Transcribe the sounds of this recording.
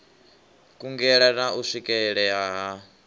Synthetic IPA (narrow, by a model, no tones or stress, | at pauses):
kʼuŋɡɛɺanauʂikʼɛɛɺɛjaɦa